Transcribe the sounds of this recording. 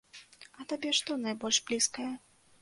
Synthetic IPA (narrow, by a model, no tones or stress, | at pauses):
ɐt̪abʲɛʂt̪ɔnajbɔlʲʂblʲiskɐjɛ